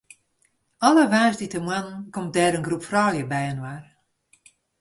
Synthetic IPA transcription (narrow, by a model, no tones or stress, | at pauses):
ɔləʋaːsditəmwann̩komt̚dɛːɾənɡrupfrɔːljəbɛjənwar